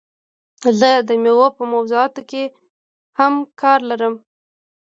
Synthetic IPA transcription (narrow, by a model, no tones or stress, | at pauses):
zəd̪əmewapəmawzuɑt̪oke | hamkʰɑɾlaɾəm